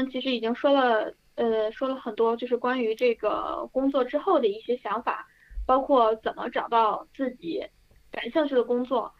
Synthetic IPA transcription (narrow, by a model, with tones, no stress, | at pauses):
t͡ɕʰi˧˥ʂɻ̩˧˥i˨˩t͡ɕi˥ŋʂwɔ˥lə˨ | ə˧ʂwɔ˥lə˨xə˨˩nt̪wɔ˥t͡ɕjo˥˧ʊʂɻ̩˥˩kwa˥ny˧˥ʈ͡ʂɤ˥˩ɡə̰˩kʊ˥ŋt͡swɔ˥˩ʈ͡ʂɻ̩˥xo˥˩ʊd̪ə˩i˥˩ɕjɛ˥ɕjɑ˧˥ŋfa̰˨˩˦ | pɑ˥ʊkʰwɔ˥˩t͡sə˨˩nmə̰˦ʈ͡ʂɑ˨˩ʊt̪ɑ˥˧ʊt͡sɹ̩˥˩t͡ɕi˧˩˦ | ka˨˩nɕɑ˥˧ŋt͡ɕʰy˥˩d̪ə˩kʊ˥ŋt͡swɔ˥˩